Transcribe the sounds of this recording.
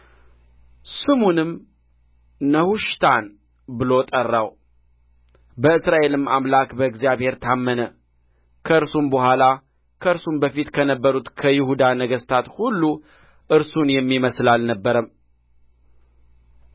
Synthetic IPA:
sɨmunɨm | əhuʃt̪ʰan | bɨlo̞t̪ʼərːaw | bəɨsɾaʔe̞lɨmamlakbəɨɡzijaβhe̞ɾt̪ʰamːənə | kʰəɨɾsumbəhʷala | kʰəɨɾsumbəfit̪kʰənəbːəɾut̪kʰəjɪhud̪anəɡəst̪ʰat̪hulːu | ʔɨɾsunjɛmːiməslalnəbːəɾəm

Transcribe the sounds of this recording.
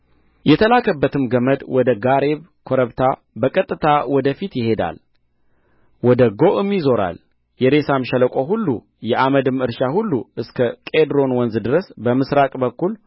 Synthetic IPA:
jɛt̪ʰəlakʰəbːət̪ɨmɡəməd̪wɔd̪əɡaɾe̞β | kʰoɾəβt̪ʰa | bəkʼət̪ʼːɨt̪ʰawɔd̪əfit̪jɪhe̞d̪a̰l | wɔd̪əɡoʔɨmːizo̞ɾa̰l | jɛɾe̞samʃələkʼoɦulːṵ | jɛʔaməd̪ɨmɨɾʃahulːuʔɨskʰəkʼed̪ɾo̞nwɔnzd̪ɨɾəsbəmɨsɾakʼbəkːul

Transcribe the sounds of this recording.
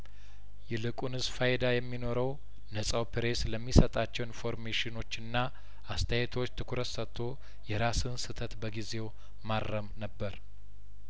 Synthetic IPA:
jɛlɨkʼunɨzfajd̪ajɛmːino̞ɾəw | nəsʼawpɨɾe̞sləmːisət̪ʼat͡ʃːɛwnfo̞ɾmeʃɪno̞t͡ʃːɨnːa | ʔast̪ʰəjɛt̪ʰo̞t͡ʃːt̪ʰɨkʰuɾət̪sət̪ʰːo̞ | jɛɾasɨnsɨt̪ʰət̪bəɡize̞w | marːəmnəbːəɾ

